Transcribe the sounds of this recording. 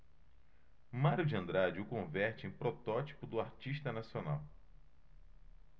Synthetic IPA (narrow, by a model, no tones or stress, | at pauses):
maɾjud͡ʒɐ̃nd̪ɾad͡ʒɪʊkõvɛɾt͡ʃɪẽj̃pɾɔt̪ɔt͡ʃi̥pʊd̪ʊaɾt͡ʃiʃt̪ɐnasiona̰w